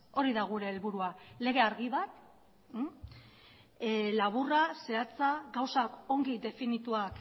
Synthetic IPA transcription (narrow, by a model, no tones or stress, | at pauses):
o̞ɾiðaɣ̞uɾe̞ːlβuɾuale̞ɣ̞e̞aɾɣiβat̪ | laβ̞urase̞at͡saɡawsako̞ŋɡid̪e̞finit̪uak